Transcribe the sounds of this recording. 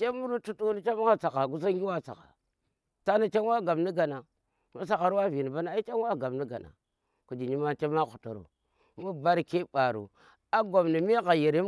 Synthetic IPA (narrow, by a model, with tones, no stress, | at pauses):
t͡ʃe˦mu˦ɾu˦tu˦tu˦ni˦t͡ʃa˦ma˦ŋa˦t͡sa˨ka˨ɡu˦s̬a˦i˦wa˦t͡sa̰˨ka̰˨ | ta˦na˨t͡ʃe˦n˦wa˦ɡa˨bni˦ɡa˨na˨ | mu˦s̬a˨ka˨ɾwa˦vi˨ni˨ba˦na˨a˦i˦t͡ʃa˦nwa˦ɡa˨bni˦ɡa̰˨na̰˨ | ku˨d͡ʒi˨ɲi˦ma˦t͡ʃe˦ma˦xu˨to̰˨ɾo̰˨ | mu˦ba˦ɾke˦ba˨ɾo̰˨ | a˦ɡo˨mni˨mi˦ɣa˨ji˨ɾi˦